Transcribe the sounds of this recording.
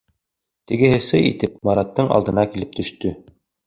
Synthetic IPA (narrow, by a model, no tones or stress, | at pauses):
t̪ɘ̆ɡɘ̆ɦɘ̆sɘʔḭt̪ɘpmɑɾɑt̪ːɤɴɑ̰lˠd̪ɤ̆nɑkilɘp̚t̪ʰɵ̆ʃt̪ɵ